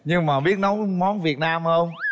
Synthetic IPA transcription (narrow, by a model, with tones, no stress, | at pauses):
ɲɨ˧ŋmaː˨˩ɓi˦˥ət̚nɔ˨˦wmɔ˨˦˥nvi˨˩ət̚naː˧mhəː˧wŋ͡m